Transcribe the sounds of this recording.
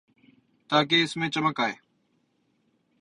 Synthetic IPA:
t̪aːk̬eːɪsmẽːt͡ʃəməkaːɦeː

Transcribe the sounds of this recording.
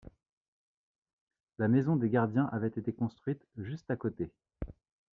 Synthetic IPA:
lamɛzɔ̃d̪eɡʲaʁd̪jɛ̃ʔavɛt̪et̪ekɔ̃st̪χɥit̪ʒyst̪akot̪e

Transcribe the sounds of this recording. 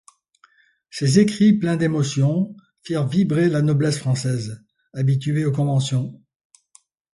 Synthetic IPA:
sezekχiplɛ̃d̪emɔsjɔ̃ | fiʁvibʁelanɔblɛsfχɑ̃sɛz | abit̪yeokɔ̃vɑ̃sjɔ̃

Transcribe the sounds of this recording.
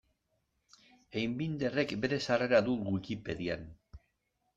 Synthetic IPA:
ejmbind̪e̞re̞kbe̞ɾe̞sare̞ɾaðuɣwikipe̞ðia̰n

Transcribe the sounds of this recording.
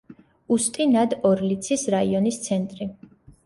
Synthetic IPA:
ust̪ʼinad̪ɔɾlit̪sʰisɾaiɔnist̪sʰɛnt̪ʼɾi

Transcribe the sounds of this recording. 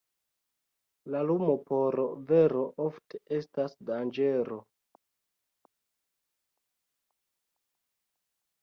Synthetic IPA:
lalumo̞po̞ɾve̞ɾo̞ʔofte̥ʔe̞stasdand͡ʒe̞ɾo̞

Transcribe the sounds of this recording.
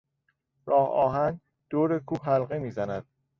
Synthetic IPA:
ɾɒːhɒːɦæn | d̪̥oːɾekʰuːɦælɢe̞miːzænæd̪̥̚

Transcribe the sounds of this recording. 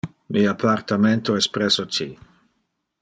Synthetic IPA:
miapʰart̪ament̪oɛspɾesot͡ʃi

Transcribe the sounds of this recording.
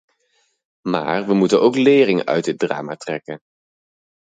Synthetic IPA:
ma̰ːɹʋəmutənowklɪːrɪŋœ̰ɥt̚dɪd̚dra̰ːmatrɛkən

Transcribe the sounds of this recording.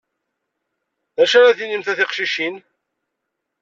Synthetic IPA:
ðæʃaɾaθinimθæθɪqʃiʃin

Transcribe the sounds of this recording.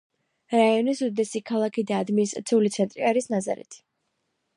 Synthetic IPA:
ɾaiɔnisud̪d̪ɛsikʰalˠakʰid̪aːd̪minist̪ʼɾa̰t̪sʰiulit̪sʰɛnt̪ʼɾiaɾisnaza̰ɾɛ̰t̪ʰi̥

